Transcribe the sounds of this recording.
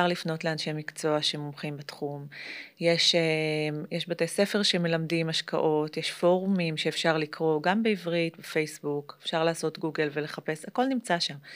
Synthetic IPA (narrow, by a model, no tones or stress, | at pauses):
aʁlifno̞tleanʃemikt͡so̞aʃemomχimbetχumjeʃemjeʃbatejse̞feʁʃeme̞lamdimaʃka̰ʔo̞tjeʃfo̞ʁumimʃeːfʃaʁlikʁo̞ɡambeivʁitbefejsbukefʃaʁlaːso̞tɡuɡe̞lve̞le̞χape̞sako̞lnimt͡saʃam